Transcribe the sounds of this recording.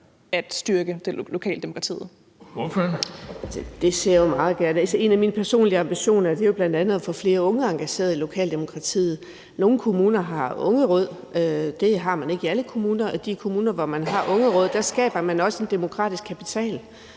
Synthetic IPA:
æd̥sd̥yɐɡ̥əd̥e̝lo̝kʰɛ̰ːld̥emo̝kʰʁɑt͡sʰḭːð̩ˠ | ʋɔf | d̥e̝se̝ɐ̰jomɑ̈ːð̞̩ˠɡ̥æɐnəælsəe̝næminpʰæɐso̝̰ːnliɑ̈mb̥iɕo̝̰ːnæɐd̥e̝jo̝b̥lænd̥ænð̞̩ˠɒfɒfle̝ːɐɔ̽ŋəɑ̈ŋɡ̥æɕe̝̰ːɐðˠilo̝kʰɛ̰ːld̥e̝mo̝kʰʁɑ̈t͡sʰḭːð̩ˠ | no̝ːn̩kʰo̝muːnɐɦɑ̈ɔ̽ŋəʁɔ̽ð̰ˠ | ød̥e̝ɦɑ̈mæne̝ɡ̥iæləkʰo̝muːnɐʔɒ̽d̥ikʰo̝muːnɐʋɒmænɦɑ̈ʔɔ̽ŋəʁɔ̽ð̞̰ˠd̥æsɡ̥ɛ̰ːb̥ɐmænɒ̽səe̝nd̥e̝mo̝kʰʁɑ̰̈ːd̥isɡ̥kʰæpʰit͡sʰɛ̰ːl

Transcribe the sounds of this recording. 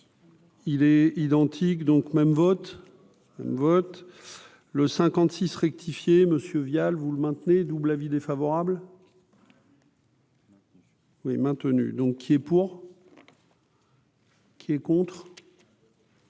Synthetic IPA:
ilɛid̪ɑ̃t̪ʰikd̪ɔ̃kmɛmvɔt̪ | mɛ̰mvɔt̪ | ləsɛ̃kɑ̃t̪sisʁɛk̚t̪ʰifjeməsjøvjalvuləmɛ̃t̪ned̪ublavid̪efavɔʁabl | wimɛ̃t̪əny̰d̪ɔ̃kʰːiɛpuʁ | kʲʰiɛkɔ̃t̪χ

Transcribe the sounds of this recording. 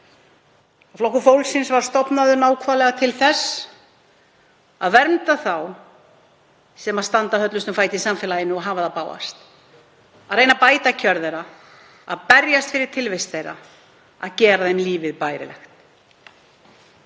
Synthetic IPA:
flɔwhkʏfowlsɪnsvaɾ̥st̪ɔpnaðʏnaːwkʰvalɛɣat̪ʰɪlθɛs | aðvɛɾmt̪aθaw | sɛmaðst̪ant̪ahœt̪lʏst̪ʏmfaːjt̪ɪisamfɛːlajɪnːʏɔɣɦaːvaðapaːwa̰st̪ | aðɾreːjnapaːjt̪acʰœɾðɛɾa | aðpɛɾjast̪fɪɾɪɾ̥t̪ʰɪlvejst̪θejɾa̰ | aðcɛːɾaðejmliːvɪðpaːjɾɪ̰lɛ̰xt̪

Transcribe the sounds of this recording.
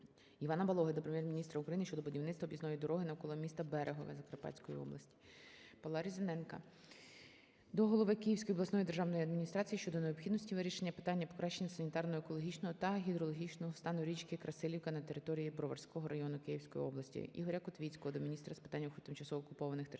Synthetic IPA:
iʋɑnɐbɐlˠɔɦɐd̪ɔpɾemjɛrmʲinʲist̪ɾɐukɾɐjinʃt͡ʃɔd̪ɔbʊdʲiwnɪt̪t͡sst̪ʋɐɔbʲjʲizɔjid̪ɔɾɔɦɪnɐwkɔlˠɔmʲist̪ɐbɛɾʔeɦɔʋɪ̰zɐkɐrpɑ̰t͡sʲkɔjḭɔ̰blˠɐ̰sʲtʲi̥ | pɐlˠɑɾʲizʲenɛnkɐ̰ | d̪ɔɦɔlˠɔʋɪkijiwsʲkɔjɔblˠɐsnɔjid̪erʒɑwnɔjiɐd̪mʲinʲist̪ɾɑt͡sʲijiʃt͡ʃɔd̪ɔneɔpxʲid̪nɔsʲtʲiʋɪɾʲiʃenʲːɐpɪ̥t̪ɑnʲːɐpɔ̥kɾɑʃːenʲːɐsɐnʲit̪ɑrnɔɦɔekɔlˠɔɦʲit͡ʃnɔɦɔt̪ɐɦʲid̪ɾɔlˠɔɦʲit͡ʃnɔɦɔst̪ɑnɔɾʲit͡ʃkɪkɾʔɐsɪlʲiwkɐnɐt̪eɾɪt̪ɔɾʲijibɾɔʋɐ̰rsʲkɔɦɔɾʔɐjɔnʊkɪjiwsʲkɔjḭɔblˠɐsʲtʲḭḭɦɔɾʲɐkɔt̪ʋʲit͡sʲkɔɦɔd̪ɔmʲinʲist̪ɾɐspɪ̥t̪anʲːɐwxʊt̪ɪmt͡ʃɐsɔkʊpɔʋɐnɪxt̪

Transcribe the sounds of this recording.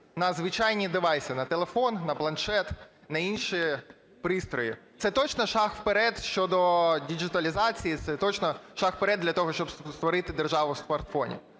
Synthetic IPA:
nɐzʋɪt͡ʃɑjnʲid̪ɪʋɑjsʲɪnɐt̪elˠefɔnnɐplˠɐnʃɛt̪ | nɐinʃi | pɾɪst̪ɾɔjit̪sɛt̪ɔt͡ʃnɔʃɑxwpeɾɛd̪ʃt͡ʃɔd̪ɔdʲiʒɪt̪ɐlʲizɑt͡sʲijit̪sɛt̪ɔt͡ʃnɔʃɑxpeɾɛd̪ʲːlʲɐt̪ɔɦɔʃt͡ʃɔbsst̪ʋɔɾɪt̪ɪd̪erʒɑʋʊwsmɐrt̪fɔ̰nʲḭ

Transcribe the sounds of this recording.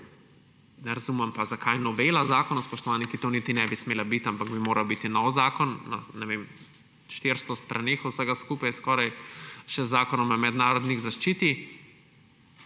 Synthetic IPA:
nɛɾazumɛmpazakʰajnɔʋeːlazaːkɔnɔspɔʃt̪ɔʋanikit̪onit̪inɛbismeːlabit̪ampaɡbimoːɾawbit̪inɔwzaːkɔnːa̰nɛʋem | ʃt̪eɾst̪ɔst̪ɾʔanexɔwsəɡaskupajskɔːɾajʃɛzːaːkɔnɔmamɛd̪naːɾɔd̪niɣzaʃt͡ʃiːt̪i

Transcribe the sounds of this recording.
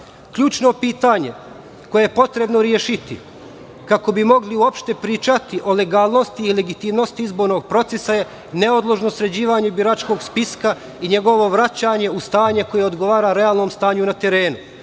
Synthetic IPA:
kʎuːt͡ʃno̞piːt̪aːɲe̞̰ | ko̞jejepo̞t̪ɾe̞bno̞ɾjeːʃit̪ḭ | kako̞bimo̞ɡliuopʃt̪e̞pɾiːt͡ʃat̪iʔo̞le̞ɡaːlˠno̞st̪iːle̞ɡit̪iːmno̞st̪iizbo̞ɾnoɡ̚pɾo̞t̪se̞saje̞ | ne̞od̪lˠoʒnosɾe̞d͡ʑiːʋaːɲebiɾat͡ʃko̞ːɡspiska | iɲe̞ɡo̞ʋo̞ʋɾat͡ɕaːɲe̞ust̪aːɲe̞ko̞jeod̪ɡo̞ʋaːɾaːɾe̞aːlˠnoːmst̪aːɲunat̪e̞ɾe̞ːnu

